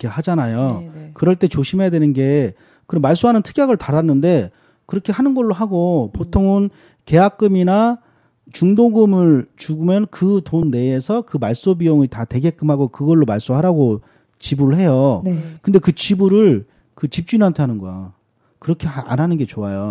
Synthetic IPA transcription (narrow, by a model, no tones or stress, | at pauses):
kehad͡ʑanajokɯɾʌɭt͈e̞t͡ɕoɕʰimɦejadwe̞nɯnɡe̞ | kɯɾʌmaɭs͈uɦanɯntʰɯ̥ɡjaɡɯɭtaɾanːɯnde̞ | kɯɾʌkʰe̞hanɯnɡʌɭːoɦaɡopotʰoŋɯn | ke̞jak͈̚ɯmina | t͡ɕuŋdoɡɯmɯɭt͡ɕuɡumjʌnkɯtonːe̞ːsʰʌkɯmaɭs͈obijoŋitate̞ɡe̞k͈ɯmɦaɡokɯɡʌɭːomaɭs͈uɦaɾaɡo | t͡ɕibuɾɯɭɦe̞jokɯnde̞kɯt͡ɕibuɾɯɭ | kɯt͡ɕip̚t͡ɕ͈unɦantʰe̞ɦanɯnɡʌja̰ | kɯɾʌkʰe̞ʔa̰nɦanɯnɡe̞t͡ɕoajo